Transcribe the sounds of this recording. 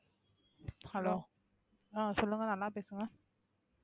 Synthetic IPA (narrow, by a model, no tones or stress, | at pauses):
halo | ʔaːsolːŋanaːlaːpasɯŋan